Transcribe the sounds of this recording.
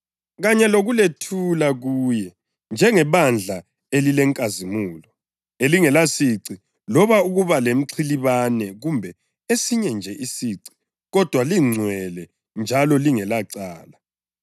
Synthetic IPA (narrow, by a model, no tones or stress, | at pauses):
ɣaɲɛloɣuletʰulaɣuːjɛ | nd͡ʒʱɛŋɛβand͡ɮʱa | elilɛŋkʼazimuːlɔ | eliŋɛlasiǀi | lɔβauɣuβalem̩ǀʰiliβanɛɣumbʱɛ | esiɲɛnd͡ʒʱɛʔisiǀi̥ | ɣɔd̥ʱwaliŋ͡ǀʱwɛlɛ | nd͡ʒʱalɔliŋɛlaǀaːla